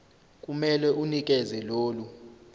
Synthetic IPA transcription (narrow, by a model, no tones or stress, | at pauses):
k̬ʼumɛlɛʔunik̬ʼɛzɛloːlu